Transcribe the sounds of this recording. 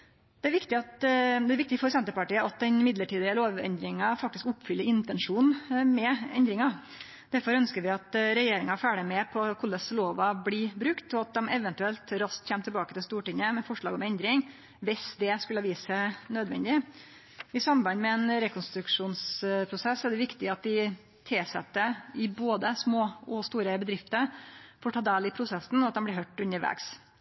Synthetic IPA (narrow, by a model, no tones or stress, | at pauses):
d̪ɛæɾʋɪkt̪ɪɑt̪d̪ɛæɾʋɪk̚t̪ɪfɔɾsɛnt̪əpɑʈiːəʔɑt̪̚d̪ɛnɪmɪd̪ləʈiːd̪ɪəloːʋɛ̰nd̪ɾɪŋɑfɑk̚t̪ɪskʊpːfʏlːəɾɪnt̪ɛnʂuːnmɛɛnd̪ɾɪŋɑ | d̪̥æɾfɔɾœnskəɾʋɪɑt̪ɾɛjeːɾɪŋɑfæːɖəmɛpʰɔkʰʊlːəsloːʋɑblɪbɾʉkt̪ɔɑt̪̚d̪ɛmɛʋənt̪ʉɛlt̪ɾɑsk̪çɛmt̪ʰɪbɑːkət̪ɪlst̪uːʈɪŋəmɛfɔʂɭɑ̰ːɡɔmɛnd̪ɾɪŋ | ʋɪsd̪ɛskʉlːəʋiːsənøːd̪ʋɛ̰nd̪ɪ | ɪsɑmbɑnmɛɛnɾɛkʰɔnst̪ɾʉkʂuːnspʰɾʊsɛsːɛæɖɛʋɪkt̪ɪɑt̪̚d̪ɪ | t̪ʰɪlsɛ̰t̪ːəɪboːd̪əsmoːɔst̪uːɾəbəd̪ɾɪft̪əɾfɔːʈʰɑːd̪eːlɪpʰɾʊsɛsn̩ɔɑt̪̚d̪ɛmb̪lɪɦœʈːʉnːəɾʋɛ̰ɡs